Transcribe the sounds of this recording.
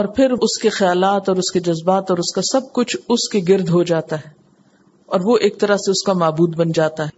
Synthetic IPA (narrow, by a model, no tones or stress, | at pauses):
ɔːɾpʰɪɾʊskexɐjaːlaːt̪ɔːɾʊsked͡ʒɐzbaːt̪ɔːɾʊskasɐb̚kʊt͡ʃʰʊskeɡɪɾd̪ʱɦod͡ʒaːt̪aɦɛː | ɔːɾʋoʔeːk̚t̪ɐɾaseʊskamaːbuːd̪bɐnd͡ʒaːt̪aɦɛː